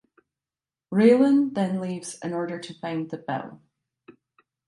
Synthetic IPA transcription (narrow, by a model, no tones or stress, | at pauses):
ɹeɪlˠə̃nðɨ̃nlivzɪ̃nɔɹɾə˞ɾɨfãɪ̃nðɨbɛ̰lˠ